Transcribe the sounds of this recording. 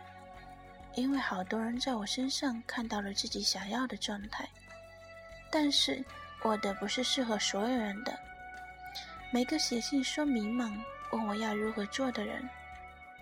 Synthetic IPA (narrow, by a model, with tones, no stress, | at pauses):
i˥nwe˥˩ɪxɑ˨˩ʊt̪wɔ˥ɻə˧˥nt͡sa˥˩ɪwɔ˨˩ʂə˥nʂɑ˥˧ŋkʰa˥˧nt̪ɑ˥˩ʊlə˩t͡sɹ̩˥˩t͡ɕi˨˥ɕjɑ˨˩ŋjɑ˥˩ʊd̪ə˩ʈ͡ʂwɑ˥˧ŋt̪ʰa˥˩ɪ | t̪a˥˧nʂɻ̩˥˩wʔɔ˨˩d̪ə˦pu˧˥ʂɻ̩˥˧ʂɻ̩˥˩xɤ˧˥swɔ˧˥jo˨˧˩ʊɻə˧˥nd̪ə̰˧ | me˨˩ɪɡə˧˦ɕjɛ˨˩ɕi˥˩nʂwɔ˥mi˧˥ŋma˧˩ŋwɔ˨˩ŋwɔ˨˩˦jɑ˥˩ʊɻu˧˥xɤ˧˥t͡swɔ˥˩d̪ə˩ɻə̰˧˥n